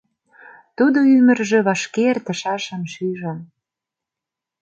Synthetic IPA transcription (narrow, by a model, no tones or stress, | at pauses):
t̪ud̪oymə̆rʒĕβɑʃkert̪ə̆ʃɑʃə̆nʃyʒɑn